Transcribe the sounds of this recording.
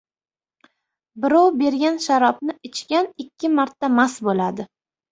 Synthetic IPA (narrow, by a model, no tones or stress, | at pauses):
bɪɾɒwbe̞ɾɡʲanʃaɾɒbnɪɪt͡ʃkʲanɪkʲʰːɪmaɾt̪ʰːamasbolad̪ɪ